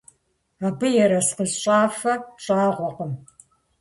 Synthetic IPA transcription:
abɨjɛɾɐsqəzɕʼaːfɐɕʼaːʁʷɔqəm

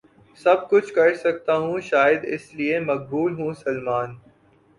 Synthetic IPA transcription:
sɐb̚kʊt͡ʃʰkɐɾsɐk̚t̪aɦũʃaːjəd̪ɪsliemɐq̚buːlɦũsɐlmaːn

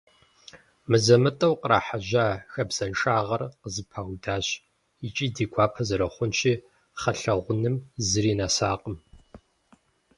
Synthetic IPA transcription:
mɨzɐmɨtʼɐwqəɾa̰ːħaʒaːxɐbz̥ɐnʂʼaːʁɐrqəzɨpʰaːwdaːɕ | it͡ʃʼiːdiːɡʷʰaːpʰɐzɐɾɐχʷʊnʃiː | χɐɬɐʁʷʊnɨmzɨɾiːnaːsaːqʼəm

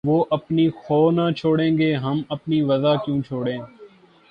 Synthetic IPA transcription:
ʋoːʔəpniːxɔːnaːt͡ʃʰoːɽẽːŋɡeːɦəməpniːʋəzaːkjũːt͡ʃʰoːɽẽː

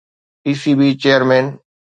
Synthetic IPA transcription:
iːsiːbiːt͡ɕeːəɾmẽːn

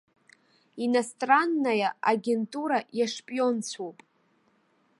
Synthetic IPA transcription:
inastʼranːajaaɡʲe̞ntʼuɾajaʂpʼjo̞nt͡sʰopʼ

